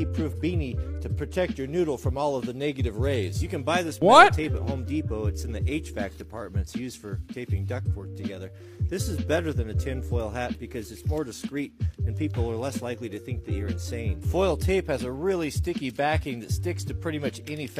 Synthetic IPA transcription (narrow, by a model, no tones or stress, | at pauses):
pʰɹ̥ʉfbĩniɾɨpʰɹ̥ɨtʰɛk̚t͡ʃə˞nʉɾl̩ˠfɹʌ̃mɔlˠʌvðɨnɛɡɨɾɨvɹeɪz̥jɨkɨ̃nbaɪðɪswʌttʰeɪpɨ̰ʔ̚hõʊ̃mdipoʊɨtsɨ̃nðiʔeɪt͡ʃfæk̚d̥ɨpʰɑɹt̚mɨ̃ntsjʉzd̥fə˞tʰeɪpɪ̃ŋdʌk̚fʰɔɹ̚tʰɨɡɛðə˞ | ðɪsɨzbɛɾə˞ðɨ̃nɨtʰɪ̃nfɔɪlˠɦæt̚b̥ɨkʰʌzɨtsmɔɹdɨskɹiɾ̚ɨ̃npʰipl̩ˠə˞lɛslaɪkliɾɨθɪ̃ŋk̚ðɨɪə˞ɨ̃nsẽɪ̃nfɔɪlˠtʰeɪphɨzəɹɪlˠistɪkibækɪ̃ŋðɨtstɪkstʰɨpʰɹ̥ɪɾimʌt͡ʃɛnif